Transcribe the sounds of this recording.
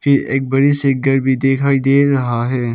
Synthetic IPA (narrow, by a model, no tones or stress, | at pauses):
fɪɾḛːk̚bɐɽisɪɡəɾbʱid̪eːkʰaːid̪eːɾɐɦaɦɛː